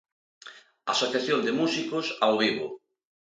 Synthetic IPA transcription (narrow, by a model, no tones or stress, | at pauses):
a̰soθjaθjond̪emusikosawβiβo̰